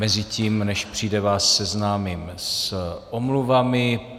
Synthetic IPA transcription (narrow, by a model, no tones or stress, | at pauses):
mɛzɪciːmnɛʃpr̝̥iːdɛvaːsːɛznaːmiːmsʔomluvamɪ